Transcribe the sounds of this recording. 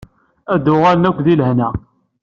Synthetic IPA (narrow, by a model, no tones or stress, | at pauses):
æd̪ʊʁalnækʷːðilhnæ